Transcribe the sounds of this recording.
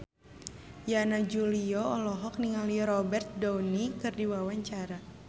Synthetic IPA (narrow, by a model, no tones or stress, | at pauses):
janad͡ʒuliɔɔlɔɦɔk̚niŋaliɾɔbɛrt̪̚dɔwnikɨrdiwawaɲt͡ʃaɾa